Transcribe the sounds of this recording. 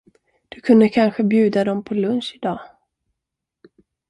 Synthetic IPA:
d̪̥ɵkʰɵnd̪əkʰanɧəbjʉ̟ːd̪ad̪ɔmpʰɔlɵnʂɪd̪ɑː

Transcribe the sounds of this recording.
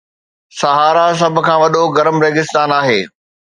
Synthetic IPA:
sɐɦaːɾas̬ɐbʱʊ̆kʰãːʋɐɗoɡɐɾəmɾeːɡɪst̪aːnaːɦeː

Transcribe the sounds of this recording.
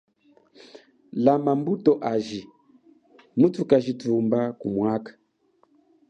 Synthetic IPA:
lamambutɔʔaʒi | mutukaʒitumbakumwakḁ

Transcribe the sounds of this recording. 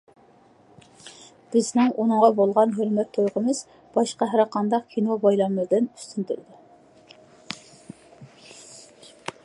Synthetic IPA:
b̥ɪznɪŋunɨŋʁɑbolˠʁɑnɦøɾmɛt̪ʰːojʁəmɨz̥ | b̥ɑʃqɑɦæɾqʰɑnd̪ɑqkʲʰinobɑjlˠɑmɨɾd̪ɪny̥st̪ʰynt̪ʰyɾd̪ɪ

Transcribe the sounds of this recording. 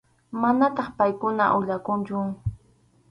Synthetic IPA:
manat̪ɑχpajkʊna̰ʔʊʎakʊnt͡ʃʊ

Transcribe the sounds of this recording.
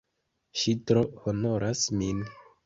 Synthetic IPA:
ʃitɾohono̞ɾʔasmin

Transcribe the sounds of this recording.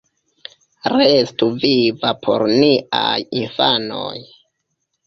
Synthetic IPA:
ɾestuvivapʰo̰ɾnia̰jinfano̰j

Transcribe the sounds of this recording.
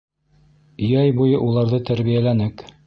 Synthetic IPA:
ɵjæjbujɤʔulˠɑɾðɤt̪æɾβijælænɘk

